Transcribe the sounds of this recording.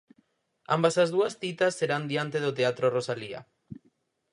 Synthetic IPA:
a̰mbasazðuasθit̪asːeɾand̪iant̪eðot̪eat̪ɾorosalia̰

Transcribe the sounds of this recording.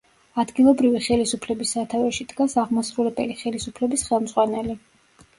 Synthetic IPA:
ad̪ɡilˠɔbɾiviχɛlisupʰlɛbisːat̪ʰavɛʃid̪ɡasaʁmasɾulɛbɛliχɛlisupʰlɛbisχɛlˠmz̥ʁwanɛli

